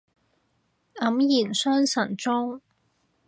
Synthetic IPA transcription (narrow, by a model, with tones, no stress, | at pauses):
ɐ˨˥mjiː˨˩nsœː˥ŋsɐ˨˩nt͡sʊ˥ŋ